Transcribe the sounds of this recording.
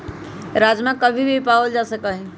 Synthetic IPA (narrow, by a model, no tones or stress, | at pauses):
ɾad͡ʒmãkəbʱibʱipaəld͡ʒasəkəɦĩ